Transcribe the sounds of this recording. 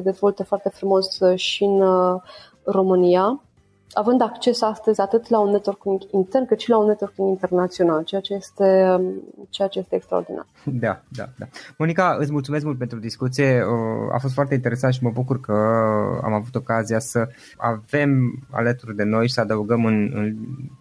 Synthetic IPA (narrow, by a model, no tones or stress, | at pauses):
səd̪e̞zvo̞lt̪əfoart̪e̞fɾumo̞sʃiɨn | ro̞mɨnija | avɨnd̪akt͡ʃe̞sast̪əzʲat̪ɨt̪launːet̪orkuŋɡint̪ernkɨt̪ʃilaunːe̞t̪orkuŋɡint̪e̞rnat̪sio̞nalt͡ʃejat͡ʃe̞je̞st̪e̞ | t͡ʃejat͡ʃe̞je̞st̪ekst̪ɾa̰ord̪ina̰rd̪ad̪a̰d̪amo̞nikaɨt̪sʲmult̪sumes̬kmult̪̚pent̪ɾud̪iskut̪sije̞əa̰fost̪foart̪e̞int̪eɾe̞sant̪̬ʃiməbukurkəa̰mavut̪o̞kazijasə | a̰ve̞ma̰lət̪urd̪e̞no̞jisəad̪əuɡəmɨnɨ̰n